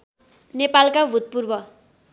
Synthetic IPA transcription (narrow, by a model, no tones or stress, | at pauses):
nepalkabʱut̪̚purbʌ